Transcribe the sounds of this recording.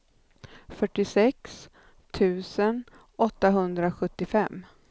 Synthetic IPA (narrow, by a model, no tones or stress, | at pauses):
fœʈːɪsɛks | t̪ʰʉ̟ːsən | ɔt̪ːaɦɵnd̪ɾaɧɵt̪ːɪfɛmː